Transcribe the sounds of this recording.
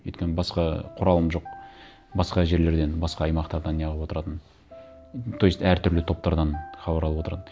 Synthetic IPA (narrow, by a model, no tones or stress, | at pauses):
ɵ̰t̪kʲenɪbɑsqɑqʰʊɾɑlˠəmʒo̞q | bɑsqɑʒe̞ɾle̞ɾd̪e̞nbɑsqɑːjmɑqt̪ɑɾd̪ɑnijɑlʁˠəpwo̞t̪əɾɑt̪ən | t̪ʰojist̪æɾt̪ʰʏɾlɪt̪ʰo̞p̚t̪ɑɾd̪ɑnχɑbɑɾɑlˠəpwot̪əɾɑt̪ən